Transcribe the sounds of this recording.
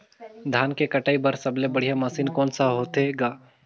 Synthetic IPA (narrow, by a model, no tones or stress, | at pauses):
d̪ʱaːnkekəʈaːibəɾsɐblebəɽ̤ijamasinkɔːnsaɦoːt̪ɦeɡaː